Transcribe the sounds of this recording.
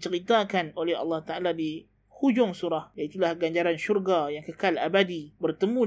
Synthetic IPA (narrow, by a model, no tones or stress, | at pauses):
t͡ʃəɾit̪akanolɛɦɑ̰lːɑht̪aʔaladi | hud͡ʒʊŋsuɾahjait̪ulahɡaɲd͡ʒaɾanʃurɡajaŋkəkalabadibərt̪əmũ